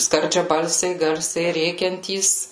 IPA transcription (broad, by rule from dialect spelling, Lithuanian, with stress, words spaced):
skɐrʲd͡ʒʲɛˈbɐlʲsʲɛɪ ˈɡɐrʲsʲɛɪ ˈrʲeːkʲɛnʲtʲiːs